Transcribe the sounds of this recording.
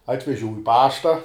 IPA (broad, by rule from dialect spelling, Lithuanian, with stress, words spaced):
ˈɑːtʲʋʲɛʒʲɛʊ ɪ ˈpɑːʃtɐ